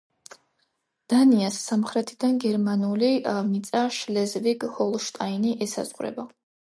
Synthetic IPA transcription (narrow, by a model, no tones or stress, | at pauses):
d̪̥aniasːamχɾɛt̪ʰid̪anɡɛɾmanuliavnit̪sʼaʃlɛzviɡhɔlˠʃt̪ʼainiʔɛsa̰zʁɾɛ̰ba